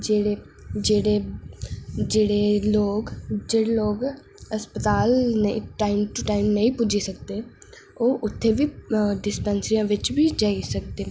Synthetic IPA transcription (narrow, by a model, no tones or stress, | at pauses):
d͡ʒeːɽeː | d͡ʒeːɽeː | d͡ʒeːɽeːloːɡd͡ʒeːɽeːloːɡ | əspət̪aːlneʈaːimʈʊʈaːimnəĩːpʊd͡ʒiːsək̚d̪eː | oːʔʊt̪ʰːeːʋiːɖɪspɛːnsəɾijãːʋɪt͡ʃbiːd͡ʒaːisək̚d̪eː